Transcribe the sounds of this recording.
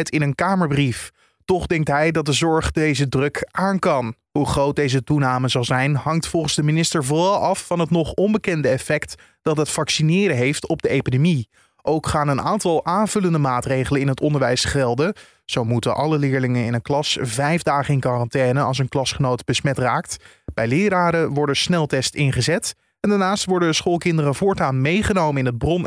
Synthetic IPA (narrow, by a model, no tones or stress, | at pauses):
tɪnənkaːməɹbrif | tɔχdɛŋk̚tɦɛjdɑt̚dəzɔɹχdejzədrɵkʔaːnkɑnɦuχrowt̚dejzətunaːməzɑlˠzɛjnɦɑŋk̚tfɔlˠχənzdəminɪstəɹvʊrɑlˠɑfːɑnɦətnɔχɔmbəkɛndəɛfɛkt | d̥ɑtɦətfɑksinɪːɾəɦejftɔb̚dəejpidomi | ʔowkχaːnəna̰ːntɑlˠʔaːnvɵləndəmaːtrejχələnɪnɦətɔndəɹʋɛjsχɛlˠdə | z̥owmutəʔɑləlɪːɹlɪŋənɪ̰nənklɑsvɛjvdaːχəɪnkɑrɑntɛːnəɑ̰lˠs̬ənklɑsχənowtb̥əsmɛtraːkt | b̥ɛjlɪːɾaːɾəʋɔɹdəsnɛlˠtɛstɪnχəzɛt | ɛndaːɹnaːstʋɔɹdəsχolˠkɪndərəvʊːɹtaːnmejχənowməɪnəd̚brɔn